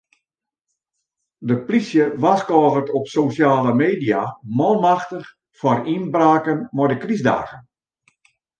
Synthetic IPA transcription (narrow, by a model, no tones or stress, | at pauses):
dəplisjəʋaskɔːɣərtɔpsosjaːləmeːdiamɔlˠmaxtəx | fɔrinbraːkənmɔdəkrizda̰ːɣən